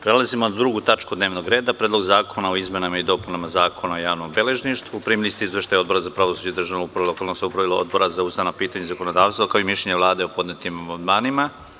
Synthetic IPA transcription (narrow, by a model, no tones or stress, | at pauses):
pɾelˠazimonad̪ɾuɡut̪at͡ʃkud̪ne̞ːʋno̞ɡɾe̞ːd̪apɾed̪lo̞ɡzaːkʰonaoizme̞namaid̪o̞punamazaːkʰonaojaːʋno̞mbe̞le̞ʒniʃt̪ʋupɾimilist̪iizʋeʃt̪ajo̞d̪̚bo̞ɾazapɾaʋo̞suːd͡ʑed̪ɾr̩ʒaʋnupɾaʋilokalnoseupɾaʋilˠoo̰d̪̚bo̞ɾazausanapiːt̪aɲezako̞nod̪aːʋst̪vakaoimiʃʎeɲeʋlˠaːd̪eopo̞d̪net̪imamand̪maːnima